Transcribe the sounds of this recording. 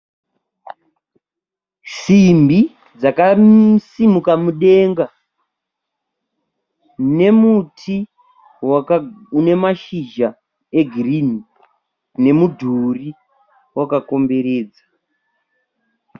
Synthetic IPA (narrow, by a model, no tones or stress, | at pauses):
simbi | d͡zakasimukamuɗe̞ŋɡa | ne̞mutʰi | waune̞maʃiʒa | e̞ɡʱirini | ne̞mudʱuri | wakako̞mbe̞ɾeːd͡za